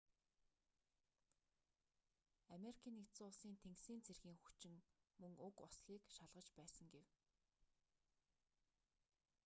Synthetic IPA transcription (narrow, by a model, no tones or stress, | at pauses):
ameɾikʰiːnːektt͡sʊːɮsiːnt̪ʰeŋksiːnt͡sʰerxiːŋxukt͡ɕɪ̆ŋmɵŋɵkʊsɮiːkʃaɮʁə̆t͡ɕpæːsə̆ŋɡew